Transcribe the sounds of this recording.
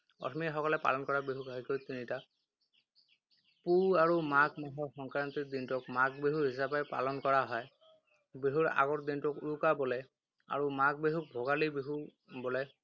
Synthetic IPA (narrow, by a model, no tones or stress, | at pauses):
ɔ̰tʰmixɔkɔlɛpa̰lɔnkɔɹabeɦukaikojt̪inita | puaɹumakmɔɦɔxɔŋkɹant̪id̪intʊkmakbeɦuɦisapɛpa̰lɔnkɔɹaɦɔj | beɦuɹa̰ɡɔɹd̪intʊkuɹukabɔlɛ | a̰ɹumak̚beɦuk̚bʱɔɡalibeɦu | bɔlɛ